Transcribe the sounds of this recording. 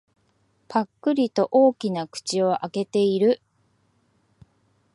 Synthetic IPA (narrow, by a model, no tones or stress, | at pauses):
pʰakːɯ̟ɾʲit̪o̞ʔo̞ːkʲinakɯ̟̥t͡ɕio̞ʔake̞t̪e̞iɾɯ̟